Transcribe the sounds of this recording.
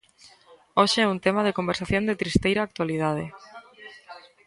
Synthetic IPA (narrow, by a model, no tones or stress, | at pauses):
oʃeɛunt̪emaðekombeɾsaθjõnd̪et̪ɾist̪ejɾaːk̚t̪waliðað̞e